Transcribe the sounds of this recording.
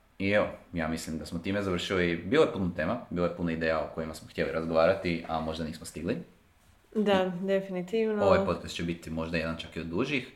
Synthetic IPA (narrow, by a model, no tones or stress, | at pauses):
ieʋojaːmislimd̪asmot̪iːme̞zaʋr̩ʃilibiːlˠojepunot̪e̞ːmabiːlojepunoid̪eːjaokojimasmoxt̪ʲjeliɾazɡoʋaːɾat̪iʔamo̞ʒd̪aniːsmost̪iɡli | d̪ad̪efinit̪iʋnooʋajpo̞t̪̚kast̪̚t͡ʃebit̪imo̞ʒd̪aje̞d̪ant͡ʃakiod̪ːuʒix